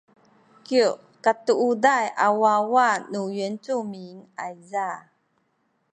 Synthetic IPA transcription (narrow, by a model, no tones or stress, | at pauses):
ki | katuʔudajʔa̰wawanujint͡sumiŋajza